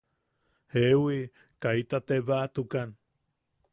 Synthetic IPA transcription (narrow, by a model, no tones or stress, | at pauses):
hewi | kait̪at̪eβat̪ukan